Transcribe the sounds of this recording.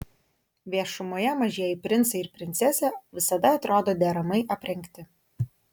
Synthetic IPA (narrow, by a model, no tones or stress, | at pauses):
ʋʲiɛʃʊmoːjɛmɐʒʲiɛjɪpʲɾʲɪnt̪sɐɪɾpʲɾʲɪnʲt̪sʲɛsʲɛʋʲɪsɐd̪ɐɐt̪ɾoːd̪oːd̪ʲɛːɾɐmɐɪʔɐpʲɾʲɛŋʲˑkt̪ʲɪ